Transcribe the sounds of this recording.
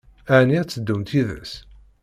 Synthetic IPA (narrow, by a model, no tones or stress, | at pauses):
æniæt͡sːəd̪ːumt̪iðə̰s